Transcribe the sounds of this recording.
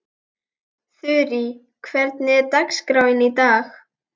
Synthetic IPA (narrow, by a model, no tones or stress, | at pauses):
θʏɾɪ | kʰvɛɾt̪nɪɛɾt̪akskɾawɪnit̪aːx